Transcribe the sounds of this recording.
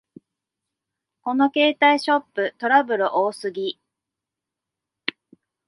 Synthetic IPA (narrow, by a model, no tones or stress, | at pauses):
ko̞no̞ke̞ːt̪aiɕo̞pːɯ̟t̪o̞ɾabɯ̟ɾɯ̟ʔoːsɨɡʲi